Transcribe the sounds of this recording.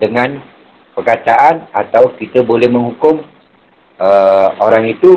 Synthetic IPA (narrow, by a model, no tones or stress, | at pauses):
dəŋãn | pərkat̪aʔanat̪awkit̪əbolɛhmə̃ŋhukʊm | əoɾaŋit̪u